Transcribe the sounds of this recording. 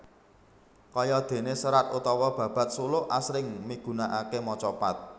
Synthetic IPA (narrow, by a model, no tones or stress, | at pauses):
kɔjɔd̪̥e̤nesəɾat̪ut̪ɔwɔb̥ä̤b̥ä̤t̪̚sulʊʔʔasɾɪŋmiɡ̥ṳnaʔakemɔt͡ʃɔpat̪̚